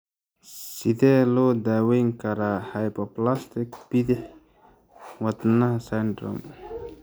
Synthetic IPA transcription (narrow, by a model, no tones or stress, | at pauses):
sid̪elod̪awiŋkaɾahajpoplast̪ikbid̪iħ | wat̪nahsaɳɖɾo̰m